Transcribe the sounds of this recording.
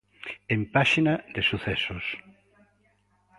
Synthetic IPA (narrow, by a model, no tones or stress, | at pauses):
empaʃinad̪esuθɛsos